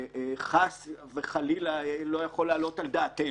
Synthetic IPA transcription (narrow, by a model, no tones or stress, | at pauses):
χasveχalilalo̞jaχo̞laːlo̞tald̪aːt̪e